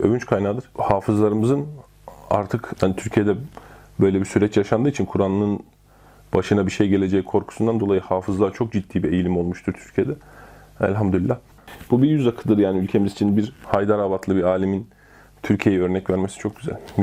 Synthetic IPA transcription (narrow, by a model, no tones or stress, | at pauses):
ø̞̰vynt͡ʃkʰajnaːd̪ɯɾ̥haːfɯzlˠaɾɯmɯzɯn | a̰ɾt̪ʰɯkhanit̪ʰyɾcʰijed̪ɛ | bø̞jlʲɛbisyɾɛt͡ʃjaʃand̪ɯːit͡ʃʰinkʰuɾanˠɯnɯn | b̥aʃɯnabiʃejɟe̞lʲed͡ʒɛkʰo̞ɾkʰu̥sund̪and̪olˠajɯhaːfɯzlˠaɾt͡ʃʰo̞k̚d͡ʒit̪ːiːbie̞jilʲimo̞lˠmuʃt̪ʰuɾt̪ʰy̥ɾcʰije̞d̪ɛ | æ̰lʲɦamd̪yilːah | b̥ubiɾjyzakʰɯlˠd̪ɯɾjaːniylʲcʰe̞mizit͡ʃʰinbiɾhajd̪aɾabat̪ʰlˠɯbiaːlʲimin | t̪ʰyɾcʰije̞jiɛøɾnɛcvæɾmesi̥t͡ʃʰo̞k̚ɟyzæ̰lʲ